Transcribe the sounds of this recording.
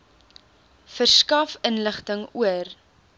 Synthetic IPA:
fərskɐfənləχtəŋuər

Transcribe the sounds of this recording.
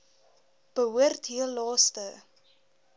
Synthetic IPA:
b̥əɦuərtɦilɑːstə

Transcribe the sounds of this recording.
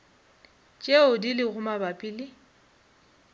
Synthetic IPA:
t͡ʃʼeʊdilɪɣʊmabapʼilɪ

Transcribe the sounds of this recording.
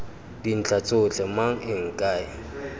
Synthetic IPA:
din̩t͡ɬʰat͡sʼʊt͡ɬʰɛmaŋ̩ɪŋ̩kʼaːɪ

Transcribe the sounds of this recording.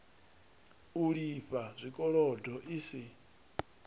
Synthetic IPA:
uɺiɸazʷikʼɔɺɔdʱɔʔisi

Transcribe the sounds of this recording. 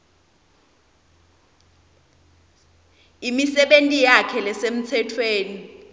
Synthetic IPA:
imisɛɓentʼijakʰɛlɛsem̩t͡sʰɛtʰweːni

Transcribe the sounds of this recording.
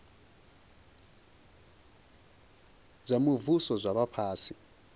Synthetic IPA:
zʷamuvusɔzʷaβapʰaːsi

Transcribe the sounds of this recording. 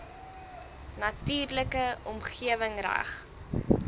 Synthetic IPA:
nɐtyːrləkəɔmχiəvəŋræ̰χ

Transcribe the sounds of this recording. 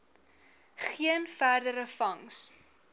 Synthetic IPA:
χiənfærdəɾəfɐŋs

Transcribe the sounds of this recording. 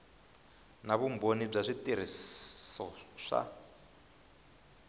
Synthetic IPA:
naβumbonib͡ʐaʂitiɾ̤issɔʂa̰

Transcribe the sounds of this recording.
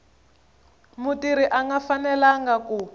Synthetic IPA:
mutiɾiʔaŋɡafanɛlaŋɡaku

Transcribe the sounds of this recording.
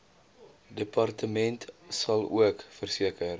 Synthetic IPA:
dəpɐrtəmɛntsɐlˠṵəkfərsiəkər

